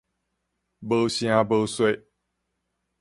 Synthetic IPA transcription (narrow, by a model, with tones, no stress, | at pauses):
bə˦ɕj̃ã˦bə˦swe˥˨